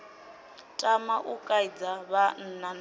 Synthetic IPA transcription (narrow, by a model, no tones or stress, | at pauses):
tʼamaʔukʼaid͡zaβan̩nan